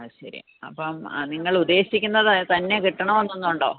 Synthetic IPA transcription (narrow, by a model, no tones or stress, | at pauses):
ɕɐɾḭ | ɐ̰pːɐm̰niŋːɐɭud̪ːe̞ːɕikʲːunːɐðt̪ɐnːe̞kiʈːɐɳɐmʋɐnːunːuɳɖo̞̰ː